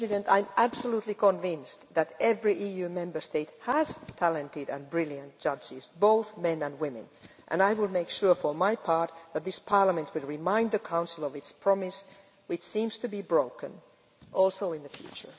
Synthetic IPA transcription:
zɨɾɨ̃ntã̰ɪ̃mʔæb̥səlutˡlikʰə̃ɱvɪ̃nsðæɾɛvɹiʔijʉmɛ̃mbə˞steɪt̚hæz̥tʰælɨ̃ntɪɾɨ̰̃nbɹɪlˠjɨ̃nt̚d̥ʒ̥ʌd͡ʒɪzboʊθmɛ̃nɨ̃nwɪ̃mɨ̰̃n | ʔɨ̰̃naɪwɪlˠmeɪkʃʊɹfə˞maɪpʰɑɹt̪̚ðɨt̪̚ðɪspʰɑɹləmɨ̃nt̚ʰwɨlˠɹɪmãɪ̃ndðɨkʰãʊ̃nsəl̩ˠʌvɨtspʰɹ̥ɑmɪs | wɨt͡ʃsĩmz̥tɨbibɹoʊkɨ̰̃n | ʔɔlˠsoʊɪ̃nðɨfjʉ̰t͡ʃə̰˞

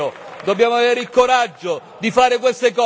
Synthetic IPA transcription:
od̪obːjaːmoaveːɾeilkoɾad͡ʒːo | d̪ifaːɾek̬west̪ekɔ

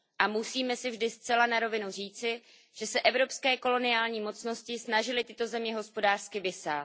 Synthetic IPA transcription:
ʔamusiːmɛsɪvʒdɪst̪t͡sɛlanaɾo̞vɪnur̝iːt͡sɪ | ʒ̥ɛsɛʔɛvɾo̞pskɛːko̞lo̞nɪjaːlɲiːmo̞t͡sno̞scɪsnaʒɪlɪt̪ɪt̪o̞zɛmɲɛɦo̞spo̞daːr̥skɪvɪsa̰ː

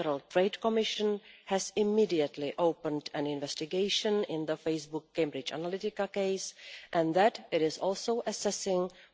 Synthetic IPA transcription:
əɾəlˠtɹeɪdkɔmɪʃə̃nhɛzɪmidiətlɪʔoʊpə̃ndɛ̃nɪ̃nvɛstɪɡeɪʃə̃nɪ̃nðəfeɪsbʊkːẽɪ̃mbɹɪt͡ʃa̰nalɪtɪkakeɪsʔɛ̃nðætɪɾɪzɔlˠsoʊʔəsɛsɪ̃ŋ

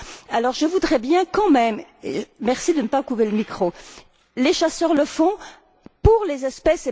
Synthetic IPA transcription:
alɔʁʒəvud̪ʁɛbjɛ̃kɑ̃mɛmḛmɛʁsid̪ənəpakuveləmikχo | leʃasœʁləfɔ̃ | puʁlezɛspɛse

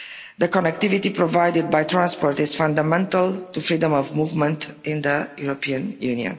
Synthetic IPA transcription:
d̪əkɔnɛk̚t̪ivit̪ipɹovajdɪd̪̚bajt̪ɾãnspɔɹt̪ɪzfãnd̪əmɛ̃ntəlˠt̪ufɾidə̃mɔvmuvmə̃ntɪ̃nd̪əjuɹopʰiə̃njuniə̰̃n

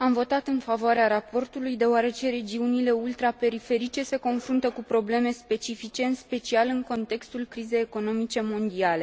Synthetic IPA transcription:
amvo̞t̪at̪ɨnfavoaɾeaɾapo̞rt̪ulujd̪e̞oaɾe̞t͡ʃe̞ɾe̞d͡ʒiunile̞ult̪ɾape̞ɾife̞ɾit͡ʃe̞se̞ko̞nfɾunt̪əkupɾo̞ble̞me̞spe̞t͡ʃifit͡ʃe̞ɨnspe̞t͡ʃialɨŋko̞nt̪e̞kst̪ulkɾize̞jeko̞no̞mit͡ʃe̞mo̞nd̪iale̞

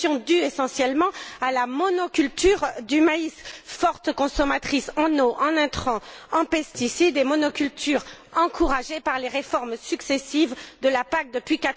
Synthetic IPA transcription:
jɔ̃d̪yesɑ̃sjɛlmɑ̃alamɔnɔkʲylt̪yʁd̪ymaisfɔʁt̪kɔ̃sɔmat̪χisɑ̃noʔɑ̃nɛ̃t̪χɑ̃ɑ̃pɛst̪isid̪emɔnɔkʲylt̪yʁ | ɑ̃kʰuʁaʒepaʁleʁefɔʁmsyksesivd̪əlapak̚d̪əpɥikat̪

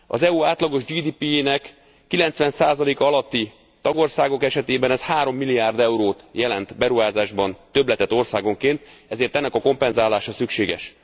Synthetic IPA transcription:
ɒ̰zɛuaːt̪lɒɡo̞ʒd͡ʒiːd̪iːpienɛkː | ilɛnt̪sʋɛnsaːzɒleːkɒɒlɒt̪ːi | t̪ɒɡo̞rsaːɡo̞kɛʃɛt̪eːbɛnɛshaːɾo̞mːilːiaːrd̪ɛuɾoːt̪jɛlɛnt̪bɛɾuɦaːzaːʒbɒnt̪ø̞blɛt̪ɛt̪ːo̞rsaːɡo̞ŋkeːnt̪ɛzeːrt̪ɛnːɛkɒko̞mpɛnzaːlaːʃɒsykʃeːɡɛ̰ʃ

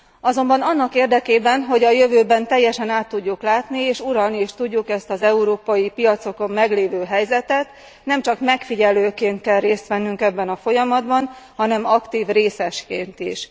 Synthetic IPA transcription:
ɒzo̞mbɒnɒnːɒkeːrd̪ɛkeːbɛnɦo̞ɟɒjø̞vøːbɛnt̪ɛjːɛʃɛnaːt̪ːuɟːuklaːt̪nieːʃuɾɒlnieːʃt̪uɟːukɛst̪ɒzɛuɾoːpɒjipijɒt̪so̞ko̞mːɛɡleːvøːɦɛjzɛt̪ɛt̪ | nɛmt͡ʃɒkmɛkfiɟɛløːkeːnt̪kɛlreːst̪ʋɛnːyŋkɛbːɛnɒfo̞jɒmɒd̪bɒnhɒnɛmɒkt̪iːvreːsɛʃkeːnt̪ḭʃ

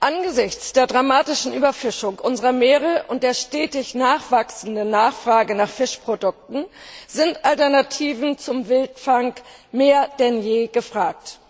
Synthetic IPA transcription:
ʔanɡəzɪçt͡sd̥eːɐdʁamaːtɪʃn̩ʔyːbɐfɪʃʊŋʔʊnzəʁɐmeːʁ̞əʔʊnt̚d̥eːɐʃtɛːtɪçnaːχv̥aksn̩dənːaːχfʁ̥aːɡənaːχfɪʃpʁ̥odʊk̚tn̩z̥ɪntʔaltɛɐnatʰiːvn̩t͡sʊmvɪltfaŋk | meːɐd̥ɛnjeːɡ̥əfʁ̥aːk̚t

